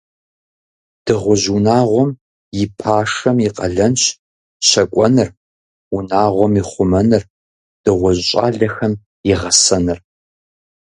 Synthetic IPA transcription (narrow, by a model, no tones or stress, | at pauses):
d̥ɨʁʷʊʑunaːʁʷɔm | jɪpʰaːʂɐmjɪqɐ̰ɮɐnɕ | ɕɐkʷʼɔnɨr | ʊnaːʁʷɔmiχʷʊmɐnɨr | d̥ɨʁʷʊʑɕʼa̰ːɮɐxɐm | jɪʁɐsɐnɨr